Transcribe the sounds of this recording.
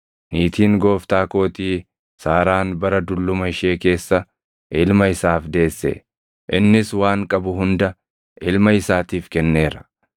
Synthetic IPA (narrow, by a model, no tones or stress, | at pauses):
niːt̪iːŋɡo̞ːft̪aːkoːt̪iː | saːɾaːnbɐɾɐd̪ʊlːʊmɐɪʃe̞ːke̞ːsːɐ | ʔɪlmɐɪsaːfd̪e̞ːsːɛ̰ | ʔɪnːɪswaːŋkʼɐbʊɦʊnd̪ɐ | ʔɪlmɐɪsaːt̪iːfkɛnːe̞ːɾɐ̥